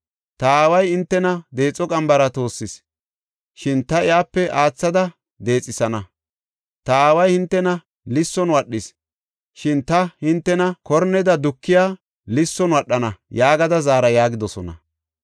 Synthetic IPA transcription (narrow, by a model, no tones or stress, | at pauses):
t̪ɐaːwɐjɪnt̪ːɛnɐd̪e̞ːt͡sʼːɔkʼɐmbɐɾɐt̪o̞ːsːɪs | ʃɪnt̪ɐɪjaːpːɛʔaːt͡sːɐd̪ɐ | d̪e̞ːt͡sʼːɪsɐnɐ | t̪ɐaːwɐjhɪnt̪ːɛnɐ | lɪsːɔnwɐɗːɪs | ʃɪnt̪ɐhɪnt̪ːɛnɐkɔɾnɛd̪ɐd̪ʊkːɪjaː | lɪsːɔnwɐɗːɐnɐjaːɡɐd̪ɐzaːɾɐjaːɡɪd̪ɔsɔnɐ̰